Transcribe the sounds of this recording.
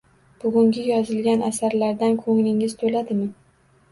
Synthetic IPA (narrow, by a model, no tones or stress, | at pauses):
b̥ʊɡʲʊŋɡʲɪjɒzɪlɡʲanasaɾlaɾd̪ankʰɵŋlɪŋɪz̥t̪ʰolad̪ɪmɪ